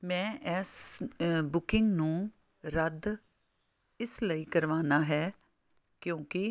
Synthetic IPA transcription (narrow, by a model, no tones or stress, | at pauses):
mɛ̃ːʔɛːs | bʊkɪŋɡnũː | ɾəd̪ | ɪsləiːkəɾʋaːnaːɦɛː | kjõːkɪ